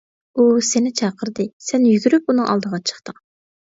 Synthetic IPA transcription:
usenɪt͡ʃʰɑːqʰəɾd̪ɨsɛnjyɡʲyɾyp̚unɨŋʔɑ̰lˠd̪əʁɑt͡ʃʰə̥χt̪əŋ

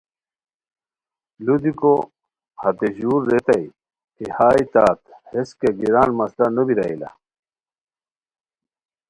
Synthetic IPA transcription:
lud̪iko | hɐt̪eʑuːɾːet̪ɐj | kihaːit̪aːt̪heskeɡiɾaːnmɐslanubiɾɐḭla̰

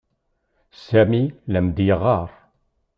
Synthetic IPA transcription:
sæmilæmd̪jəʁɑɾˤ

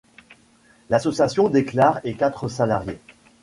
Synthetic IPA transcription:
lasɔsjasjɔ̃d̪eklaʁekʲat̪χəsalaʁje

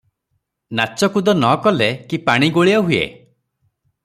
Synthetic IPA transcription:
nat͡ʃɔkud̪ɔnɔkɔlekipaɽ̃iɡoɭiɔɦujḛ

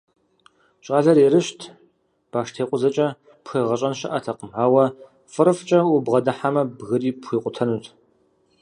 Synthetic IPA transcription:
t͡ʃʼaːɮɐɾeɾɨʃtʰ | b̥aːʂtʰeːqʷʼʊzɐt͡ʃʼɐ | pxeːʁɐɕʼɐnʃɐ̰ʔɐtʰɐqʼəmħaːwɐ | fʼɨɾɨft͡ʃʼɐwʊbʁɐdɨħamɐbɣɨriːpxʷiːqʷʼʊtʰɐnutʰʼ

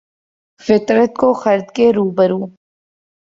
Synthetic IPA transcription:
fɪt̪ɾət̪̚koxɐɾd̪keɾuːbəɾũː

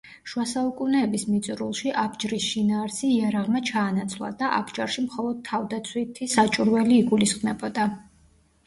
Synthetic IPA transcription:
ʃuasaukʼunɛːbismit̪sʼɾulˠʃiʔabd͡ʒɾisʃinaːɾsiːaɾaʁmat͡ʃʰaːnat̪sʰlˠa̰d̪aʔa̰bd͡ʒaɾʃimχɔlˠɔd̪̚t̪ʰːavd̪at̪sʰwit̪ʰisat͡ʃʼuɾwɛliːɡulisχmɛbɔd̪a

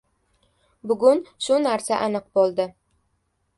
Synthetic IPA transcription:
bʊɡʊnʃʊnaɾsaʔanɨq̚bolˠd̪ɪ

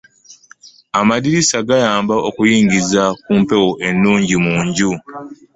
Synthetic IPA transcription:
amadiɾisaɡajaːmbao̞kujiːŋɡizakuːmpe̞woʔe̞nːuːɲɟimuːɲɟu

